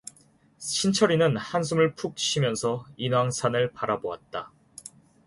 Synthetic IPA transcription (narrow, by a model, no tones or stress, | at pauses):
ɕʰint͡ɕʰʌɾinɯnhans̬ʰumɯɭpʰuk̚ɕʰimjʌnsʰʌinwaŋsʰanɯɭpaɾaboa̰t̚t͈a